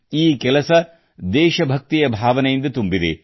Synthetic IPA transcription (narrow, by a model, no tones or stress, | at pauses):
iːkɛlɐsɐ | d̪ɛːʃɐbʱɐk̚t̪ijɐbʱaːʋɐnɛjind̪ɐt̪umbid̪e